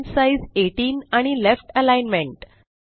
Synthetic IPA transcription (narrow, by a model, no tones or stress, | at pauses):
nsaizeʈiːnaɽ̃ilefʈəlajnmẽɳʈ